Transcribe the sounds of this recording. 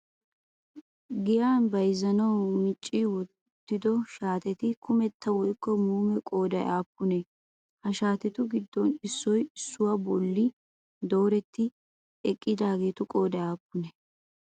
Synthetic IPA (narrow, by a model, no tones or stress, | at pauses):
ɡɪjaːnbɐjzɐnɐwmɪt͡ʃʼːɪwɔt̪ːɪd̪ɔʃaːt̪ɛt̪ɪkʊmɛt̪ʰːɐwɔjkːɔmuːmɛkʼo̞ːd̪ɐjaːpːʊnɛ | hɐʃaːt̪ɛt̪ʊɡɪd̪ːɔnɪsːɔjɪsːʊwabɔlːɪ | d̪o̞ːɾɛt̪ːɪ | ɛkʼːɪd̪aːɡe̞ːt̪ʊkʼo̞ːd̪ɐjaːpːʊnɛ